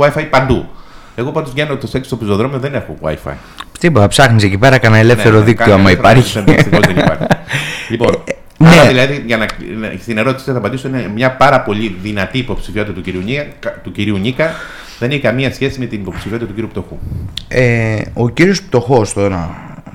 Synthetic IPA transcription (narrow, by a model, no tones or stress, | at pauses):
ɐifɐipɐnd̪u | e̞ɣo̞pɐnd̪ozvʝenot̪oseksst̪opiso̞ðɾo̞mioðenexo̰ɐ̰ifɐ̰i | t̪ipot̪ɐpsɐxnisecipe̞ɾɐkɐnɐele̞fθe̞ɾoðikt̪ioɐmɐipɐɾçisiozeniɐ̰ɾʎipo | neðilɐðiʝɐnɐst̪ine̞ɾo̞t̪isi̥isɐθɐpɐnd̪isoinemɲɐpɐɾɐpo̞ʎiðinɐt̪iːpo̞psi̥fiot̪it̪ɐt̪uciɾiuɲiɐt̪uciɾiuɲikɐ | ðe̞neçekɐmiɐsçe̞sime̞t̪inipo̞psifiot̪t̪ɐt̪uciɾiup̚t̪o̞xueo̞ciɾio̞sp̚t̪o̞xo̞st̪oɾɐ